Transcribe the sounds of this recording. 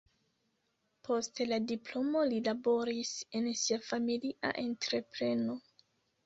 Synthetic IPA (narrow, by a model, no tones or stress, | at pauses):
pʰo̞stladiplo̞mo̞lilabo̞ɾise̞nsiafamiliʔa̰ʔe̞ntɾe̞pɾe̞no̞